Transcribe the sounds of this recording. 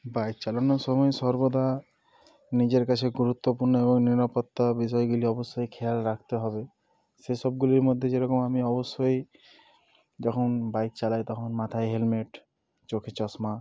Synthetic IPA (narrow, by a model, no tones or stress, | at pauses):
bajk̪̚t͡ʃalɔnɔsɔmɔesɔɾbod̪ʱa | nid͡ʒeɾkat͡ʃʰeɡuɾut̪wopuɾnɔebɔŋniɾapɔt̪ːabis̬ɔjɡuliɔbɔsːɔjkʰealɾakʰt̪eɦɔbe | sesɔbɡuliɾmɔd̪ʱːed͡ʒeɾɔkɔmamiɔbɔsːoj | d͡ʒɔkʰɔnbajk̪̚t͡ʃalajt̪ɔkʰɔnmat̪ʰajɦelmeʈ | t͡ʃokʰet͡ʃɔsma